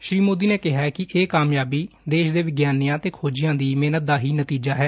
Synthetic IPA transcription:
ʃɾiːmoːd̪iːneːkɪɦaːkɪʔeːkaːmjaːbiːd̪eːʃd̪eːʋɪɡjaːnijãːt̪eːkʰoːd͡ʒɪjãːd̪iːmeːnət̪̚d̪aːɦiːnət̪iːd͡ʒaːɦɛː

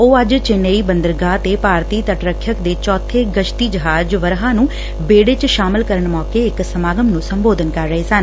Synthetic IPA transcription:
oːəd͡ʒt͡ʃɪneiːbənd̪əɾɡaːt̪eːpaːɾt̪iːt̪əʈɾəkʰːjəkd̪eːt͡ʃɔːt̪ʰːeːɡəʃt̪iːd͡ʒəɦaːd͡ʒʋəɾɦãːnũː | beːɽeːt͡ʃʃaːmɪlkəɾəɳmɔːkeːɪksəmaːɡəmnũːsəmboːd̪ənkəɾːəɦeːsən

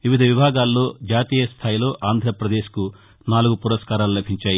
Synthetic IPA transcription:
ʋiʋid̪ʱɐʋibʱaːɡaːlːo̞ːd͡ʒaːt̪iːjɐst̪ʰaːjilo̞ːʔaːnd̪ʱɾɐpɾɐd̪e̞ːʃku | naːluɡupuɾɐskaːɾaːlulɐbʱiɲt͡ʃaːji

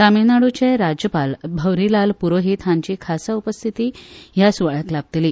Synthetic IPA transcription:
t̪aminaɽut͡ɕeɾad͡ʑjəpalbʱəwɾilalpuɾoɦit̪ɦãɲt͡ɕiːkʰasaupəst̪ʰit̪iːɦjasuʋaɭat̪lab̚t̪liː

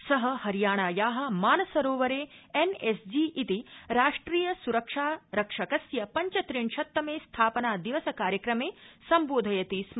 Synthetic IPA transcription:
sɐɦɐhɐɾjaːɳaːjaːɦɐ̆maːnɐsɐɾoːʋɐɾeːenesd͡ʒiʔit̪iɾaːʂʈɾiːjɐsuɾɐkʂaːɾɐkʂɐkɐsjɐpɐɲt͡ʃɐt̪ɾiɳʃɐt̪ːɐmeːst̪ʰaːpɐnaːd̪iʋɐsɐkaːɾjɐkɾɐmeːsɐmboːd̪ʱɐjɐt̪iːs

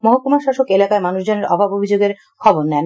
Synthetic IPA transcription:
mɔɦakomaɾʃaʃokelakaemanuʃd͡ʑoneɾɔbʱabobʱid͡ʑoɡeɾ | kʰɔboɾnɛn

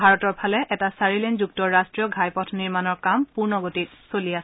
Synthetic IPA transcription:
bʱaɹɔtɔɹpʰalɛʔɛtasaɹilɛnzuk̚tɔɹːastɹijɔɡʱajpɔtʰniɹmanɔɹkampuɹnɔɡotitsoliasɛ

